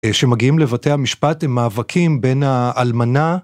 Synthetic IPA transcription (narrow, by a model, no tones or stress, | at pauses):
ʃe̞maɡiimle̞vate̞jhamiʃpatemːaːvakʰimbe̞naʔːlmana